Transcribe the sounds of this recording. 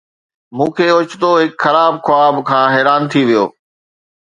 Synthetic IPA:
mũːkʰeːʊt͡ɕt̪oɦɪkxɐɾaːbxʊaːbkʰãːɦɛːɾaːnt̪ʰiʋijo̰ː

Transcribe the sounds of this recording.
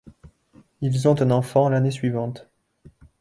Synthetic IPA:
ilzɔ̃t̪ɛ̃nɑ̃fɑ̃lanesɥivɑ̃t̪

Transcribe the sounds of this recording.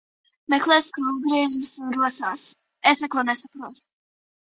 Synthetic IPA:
mɛklˠeːskɾuːvɡɾiɛʒisunɾuɔsaːs | esnɛkoːnɛsapɾuːt̪

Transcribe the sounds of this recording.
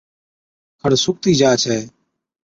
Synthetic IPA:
kʰəɽsʊk̚t̪iːd͡ʒaːt͡ʃʰɛː

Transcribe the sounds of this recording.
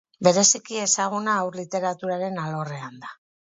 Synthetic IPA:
be̞ɾe̞sikie̞saɣ̞unaːwrlit̪e̞ɾat̪uɾaɾe̞nalo̞re̞and̪a

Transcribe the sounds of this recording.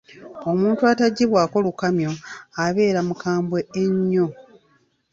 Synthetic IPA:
o̞muːntuataɟːiβwaːko̞lukamjo̞aβe̞ːɾamukaːmbwe̞ːɲːo̞

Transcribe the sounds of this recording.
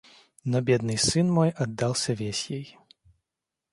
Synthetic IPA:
nɔbʲɛd̪̚nɨjsɨnmɔjɐd̪ːalˠsʲɐvʲesʲjej

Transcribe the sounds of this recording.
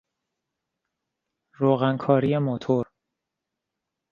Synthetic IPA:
ɾoːɣænkʰɒːɾijemot̪ʰoɾ

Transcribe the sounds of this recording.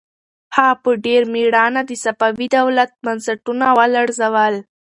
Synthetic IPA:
hɑpəɖeɾmeɽɑnad̪əsapawid̪awlat̪̚bansaʈunawəlaɽzawəl

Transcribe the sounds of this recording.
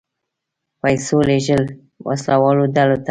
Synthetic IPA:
pajsoleʒəl | wʔa̰slawɑlodalot̪a

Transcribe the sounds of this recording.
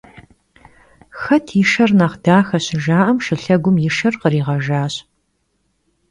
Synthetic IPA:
xɐtʰjɪʃɐrnaːχdaːxɐɕɪʒaːʔɐmʃɨɬɐɡʷʊmjɪʃɐrqəɾiːʁɐʒaːɕ

